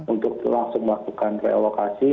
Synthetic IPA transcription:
unt̪ʊk̚laŋsʊŋməlakukankeelokasi

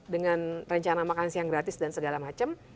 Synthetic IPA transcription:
dəŋanrəɲt͡ʃanamakansijaŋɡɾat̪ɪsdansəɡalamat͡ʃəm

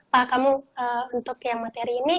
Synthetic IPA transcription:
pakamuəunt̪ʊkjaŋmat̪eɾiːni

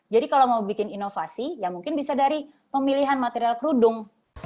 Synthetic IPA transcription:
d͡ʒadikalawmawbikɪninofasijaŋmuŋkɪnbisadaɾi | pəmiliɦanmat̪eɾialkəɾudʊŋ

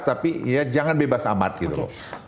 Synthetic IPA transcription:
t̪apiijad͡ʒaŋanbebasama̰t̪̚ɡit̪ulʊ̰

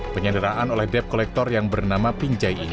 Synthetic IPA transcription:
pəɲandəɾaʔanolɛhdɛp̚kolɛk̚t̪ɔrjaŋbərnamapiɲd͡ʒaji

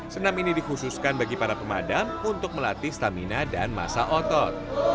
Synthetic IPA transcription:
sənaminidixususkanbaɡipaɾapəmadamunt̪ʊk̚məlat̪ɪst̪aminadanma̰saʔɔt̪ɔt̪̚

